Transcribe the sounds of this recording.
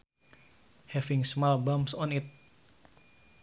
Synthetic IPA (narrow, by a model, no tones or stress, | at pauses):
hɛvĩŋsmɔlbamsɔ̃nit̪̚